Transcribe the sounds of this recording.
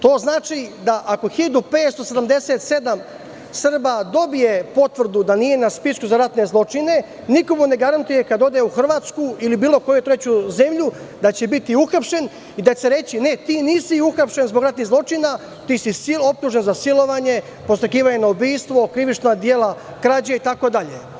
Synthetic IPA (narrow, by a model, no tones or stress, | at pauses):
t̪o̞ːznaːt͡ʃid̪aʔako̞xilad̪upeːt̪st̪o̞sed̪amd̪e̞set̪se̞d̪am | sr̩bad̪o̞bije̞po̞t̪ʋr̩d̪ud̪anije̞naspiskuzaɾat̪ne̞zlˠo̞t͡ʂine̞ | niko̞mune̞ɡaɾant̪uje̞kad̪o̞d̪euxr̩ʋaːt̪skuilibiːlˠo̞ko̞jut̪ɾe̞t͡ɕuze̞mʎu | d̪at͡ɕebit̪iuxapʃe̞n | id̪aseɾe̞t͡ɕine̞t̪iːniːsiuxapʃe̞nzbo̞ɡɾat̪niɣzlˠo̞t͡ʃina | t̪iːsisilo̞p̚t̪uʒe̞nzasilo̞ʋaɲe̞ | po̞st̪ɾekiːʋaɲe̞naobiːst̪ʋo̞kɾiʋit͡ʃnad̪jeːlˠa | kɾad͡ʑeit̪ako̞d̪aʎḛ